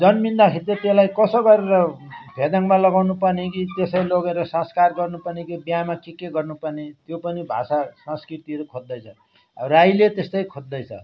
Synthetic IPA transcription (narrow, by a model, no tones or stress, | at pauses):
d͡zʌnmind̪akʰit̪jet̪elajkʌsʌɡʌɾeɾʌbʱed̪aŋmalʌɡawnupʌnekit̪esʌjloɡeɾʌsʌ̃skarɡʌrnupʌneɡibijamakikeɡʌrnupʌrnet̪jopʌnibʱa̰sasʌ̃skrit̪iʌɾukʰod̪ːʌjt͡sʰʌ | rajlet̪est̪ʌjkʰod̪ːʌjt͡sʰʌ̰